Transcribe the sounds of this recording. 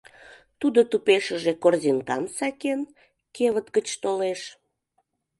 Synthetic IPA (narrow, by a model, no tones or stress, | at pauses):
t̪ud̪ot̪upeʃəʒekorziŋkɑmsɑken | keβət̪ɡət͡ɕt̪oleʃ